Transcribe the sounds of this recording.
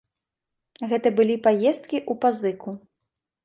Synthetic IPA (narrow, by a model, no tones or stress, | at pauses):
ɣɛt̪ɐbɨlʲipajɛst̪̚kʲiʔupazɨku